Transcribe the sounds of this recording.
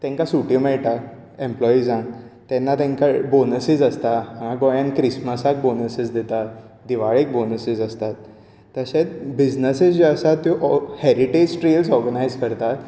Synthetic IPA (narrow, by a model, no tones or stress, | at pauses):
t̪ɛ̃ŋkasuʈjimeʈa | ẽmplɔid͡zãŋt̪ɛnːat̪ɛ̃ŋkabonəsid͡zəst̪aaãɡɔjãnkɾisməsak̚bonəsid͡zd̪et̪at̪ | d̪iʋaɭek̚bonəsid͡zəst̪at̪ː | əɕet͡sbid͡ʑnəsid͡zəsat̪ːjũʔhɛɾiʈed͡ʑʈɾelsɔɾɡənajd͡zkəɾt̪at̪